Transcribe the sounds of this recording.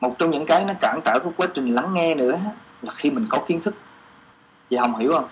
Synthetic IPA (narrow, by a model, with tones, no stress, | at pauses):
mo˨˩t̚t͡ɕɔ˧wŋ͡mɲɨ̰˧˥ŋkaː˨˦jnɔ˨˦kaː˧˩ŋt͡ɕəː˧˩kɔ˨˧˦kwaː˨˦t͡ɕï˨˩ŋ̟la˨˦ŋːɛ˧nɨ̰˧˥əɦa˨˦˥laː˨˩xi˧mï˨˩ŋ̟kɔ˨˦xi˨˦ənt̪ʰɨ˦˥k̚ | viː˨˩hə˨˩wŋ͡mɦḭ˧˩whə˧wŋ͡m